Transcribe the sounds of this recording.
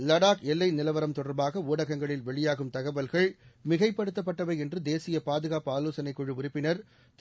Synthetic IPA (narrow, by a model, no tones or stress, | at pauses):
lɐɽaːkɛlːɐɪnɪlɐʋɐɾɐmt̪ɔɽɐɾbaːɣɐuːɽɐɣɐŋɡɐɭɪlʋɛɭɪjaːɣɯmt̪ɐɣɐʋɐlɣɐɭmɪɣɐɪpːɐɽɯt̪ːɐpːɐʈːɐʋɐɪɛndrɯd̪eːsɪjɐpaːðɯɣaːpaːloːsɐnɐɪkːɔɻɯʊɾɪpːɪnɐɾ | t̪